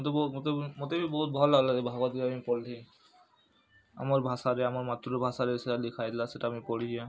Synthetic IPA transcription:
t̪ebmt̪emot̪ebibɔɦut̪̚bʱɔlːaɡlazebʱaɡat̪ikamipɔlli | a̰maɹbʱasaɾeamaɹmat̪ɾuebʱasaɾesealikʰajd̪ilaseʈaːmipoɽija

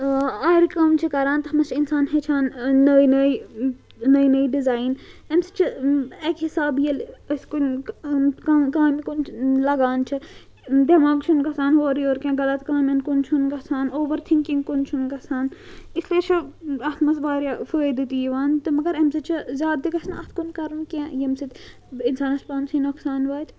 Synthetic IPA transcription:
aːɾikɐmt͡ʃʰikɐɾaːnt̪ɐɦɐmɐt͡ʃʰinsaːnɦet͡ʃʰaːnːɐːinɐi | nɐinɐiɖizaːinemsɨ̥t͡ʃʰiekɦisaːbijɐlskun | kkaːmikunlɐɡaːnt͡ʃʰi | d̪ʲɐmaːɡt͡ʃʰunkɐsaːnɦoːɾioːɾkʲɛ̃ːɡɐlɐt̪kaːmʲɐnkʊnt͡ʃʰunkɐsaːnoːʋɐɾt̪ʰiŋkiŋɡkunt͡ʃʰunkɐsaːnisliet͡ʃʰɐɐt̪ʰmɐsʋaːɾʲjafoed̪it̪ijiʋaːnt̪ɨmɐɡɐɾɐmsɨt͡ʃʰɐzʲaːd̪̚d̪ikɐsnɐt̪ʰkunkɐɾunkẽjɐmsit̪ | insaːnɐspaːnsinoksaːnʋaːt̪ʰ

